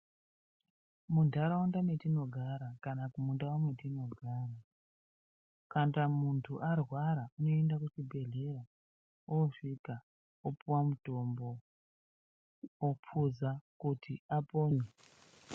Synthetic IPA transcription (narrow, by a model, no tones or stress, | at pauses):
mundʱaɾaundamwetino̞ɡʱaɾakanakumundawamwetino̞ɡʱaːra | kantamuntʰuʔarwaɾauno̞endakut͡ʃibʱe̞ɮe̞ɾa | oʂika | opuwamuto̞mbo̞ | op͡fʰuzakutʰiapoːne